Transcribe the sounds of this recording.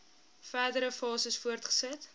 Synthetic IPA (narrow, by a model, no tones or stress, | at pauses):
fæːdəɾəfɑːsəsfuərtχə̥sət